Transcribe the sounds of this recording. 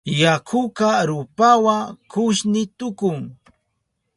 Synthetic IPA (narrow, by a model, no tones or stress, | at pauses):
jakʰʊkaɾʊpawakʊʃnɪt̪ʊkʊŋ